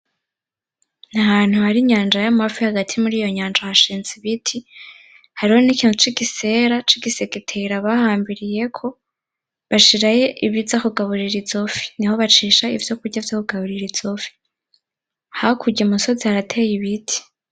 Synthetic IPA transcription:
nahaːn̥huhaɾiɲaːnd͡ʒajamafihaɡatʰimuɾiːjo̞ɲaːnd͡ʒohaʃiːnziβitʰi | haɾiho̞nikiːn̥ut͡ʃiɡise̞ɾat͡ʃiɡisekitʰeɾaβahaːmbiɾije̞kʰo̞ | βaʃiɾaje̞ʔiβizakuɡaβuɾiɾizo̞fi̥niho̞βat͡ʃiːʃaḭvjo̞kuɾɟavjokuɡaβuɾiɾiz̥ofi̥ | haokʰuɟemunso̞zihaɾatʰe̞ːjiβitʰi̥

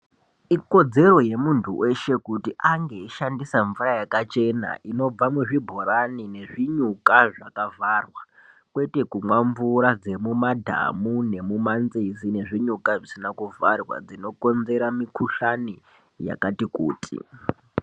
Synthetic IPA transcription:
iko̞d͡ze̞ro̞je̞muntʰuwʔe̞ʃe̞kutiʔaŋɡe̞iʃandisaɱvurajakat͡ʃe̞na̰ʔino̞b͡vamuʐibʱo̞ɾanine̞ʐiɲukaʐakavʱarwa | kwe̞te̞kumwaɱvuɾad͡ze̞mumadʱa̰mune̞mumanzizine̞ʐiɲukaʐisinakuvarwa̰d͡zino̞ko̞nze̞ɾamikuʃani | ja̰katikṵːtʰḭ

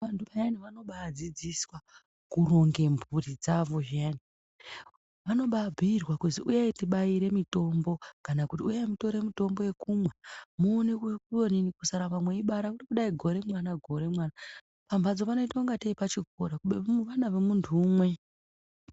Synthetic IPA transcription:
antʰuajaniʋano̞ɓaːd͡zid͡ziswa | kuro̞ŋɡe̞mbʱurid͡zaʋo̞ʒani | ʋano̞ɓabʱiirwakuziʔujaitiɓaiɾe̞mito̞mbo̞kanakutiujamito̞ɾe̞mito̞mbo̞je̞kumwamuːnekuoninikusaɾamamweiɓaɾakutikuɗaiɡʱo̞ɾe̞mwanaɡʱo̞ɾe̞mwana | pamvʱad͡zo̞pano̞itauŋɡateipat͡ʃiɡʱo̞ɾakuɓuʋanaʋe̞muntʰuːmwe̞

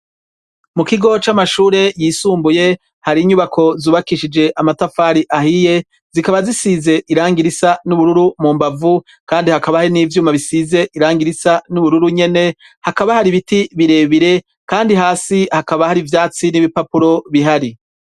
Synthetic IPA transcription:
mukiɡo̞t͡ʃamaʃuːɾe̞jiːsuːmbuje̞ | haɾiɲuβakʰo̞zuːβakiʃid͡ʒe̞ʔamatafaːɾiʔahije̞ | zikaβazisize̞ʔiɾaːŋɡiɾisanuβuɾuɾumuːmbavu | kaːndihakaβahaɾiniːvjuːmaβisize̞ʔiɾaːŋɡiɾisanuβuɾuɾuɲe̞ne̞ | hakaβahaɾiβitiβiɾe̞ːβiɾe̞ | kaːndiɦaːsihakaβahaɾivjaːt͡siniβipapuɾo̞βiɦaɾi

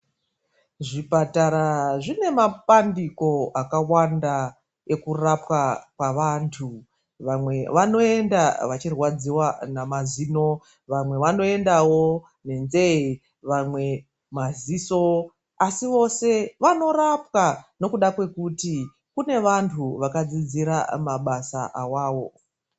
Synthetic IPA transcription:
ʐipataɾaʐine̞mapandiko̞akawanda | e̞kurapwakwaʋaːntʰu | ʋamwe̞ʋano̞e̞ndaʋat͡ʃirwad͡ziwanamazino | ʋamwe̞ʋano̞e̞ndawo̞ | ne̞nzei | ʋamwe̞ | maziso | asiʋo̞se̞ʋano̞rapkano̞kuɗakwe̞kuti | kune̞ʋantʰuʋakad͡zid͡ziɾamaɓasaʔawaːwo̞

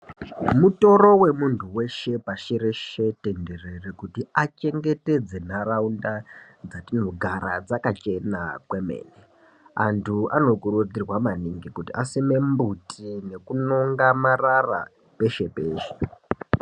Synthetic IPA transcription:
muto̞ɾo̞we̞muntʰuwe̞ʃe̞paʃiɾe̞ʃe̞te̞nde̞rerekutiat͡ʃe̞ŋɡe̞te̞d͡ze̞naraunda | d͡zatino̞ɡʱaɾa̰d͡zakat͡ʃe̞na̰kwemḛːne | a̰ntʰuano̞kurud͡zirwamaniŋɡikutiʔasime̞mbutʰine̞kunoŋɡamarara̰ | pe̞ʃe̞peːʃe̥

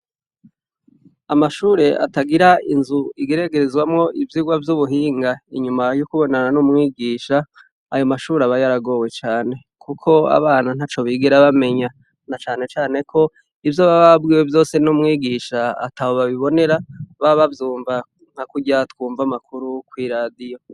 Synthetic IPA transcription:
amaʃuːɾe̞ʔa̰taɡiɾainzuiɡeɾe̞ɡe̞ɾezɡwamŋo̞ʔivjiɡwavjuβuɦiːŋɡaiɲumajukuβo̞nananumŋiːɡiːʃaː | jo̞maʃuːɾaβajaɾaɡo̞we̞t͡ʃaːne̞ | kukʰo̞a̰βaːnan̥at͡ʃo̞βiɡeɾaβame̞ɲa | nat͡ʃaːne̞t͡ʃaːne̞kʰo̞ | ivjoβaβabɡiːwevjo̞ːse̞numŋiːɡiʃa̰ːtahoβaβiβo̞ne̞ɾaβaβavjuːɱva | ŋ̥hakuɟatkuːɱvamakuɾukwiːɾaːdijo̞

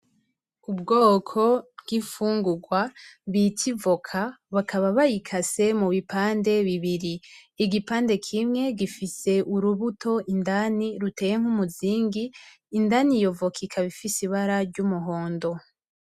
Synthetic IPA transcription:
ubɡo̞ːkʰo̞bɡifuːŋɡuɡwaβicivokʰaβakʰaβaβajikʰase̞muβipaːnde̞βiβiɾiiɡipaːnde̞kʰimŋe̞ɡifise̞ʔuɾuβutʰo̞ʔindaniɾute̞ːjeŋ̥humuziːŋɡiː | ndanijo̞vo̞kʰikʰaβifisiβaɾaɾɟumuɦo̞ːndo̞

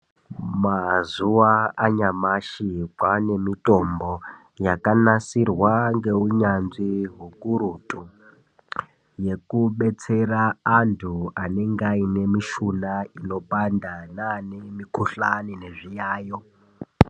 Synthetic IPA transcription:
mazuwaːɲamaʃikwane̞mito̞mbo | jakanasirwaŋɡe̞uɲanziɦukuɾutʼu | je̞kuɓe̞t͡se̞raːntʰuane̞ŋɡaine̞miʃunaino̞pandananemikuɬanine̞ʐijaːjo

